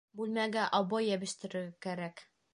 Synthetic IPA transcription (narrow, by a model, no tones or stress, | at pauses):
bʉlmæɡæʔɑβɑjæbɘ̆ʃt̪ɘ̆ɾɘ̆ɾɡækæɾæk